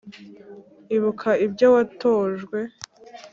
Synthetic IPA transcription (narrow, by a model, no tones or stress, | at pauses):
iβukʰaibɟowatoːʒɡwe̞